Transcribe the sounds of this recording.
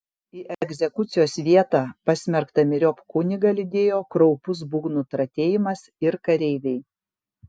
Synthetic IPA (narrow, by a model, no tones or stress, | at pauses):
iːʔɛɡʲzʲɛkʊt̪sʲɪjoːsʋʲiɛt̪ɑːpɐsʲmʲɛɾkt̪ɐmʲɪɾʲoːpkʊnʲɪɡɐlʲɪd̪ʲeːjoːkɾɔʊpʊsbuɡnut̪ɾɐt̪ʲeːjɪmɐs | ɪɾkɐɾʲɛɪʋʲɛɪ